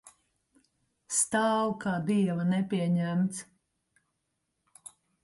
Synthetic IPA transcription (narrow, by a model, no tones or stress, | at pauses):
st̪aːwkaːd̪iɛvɐnɛpʲiɛɲæmt̪s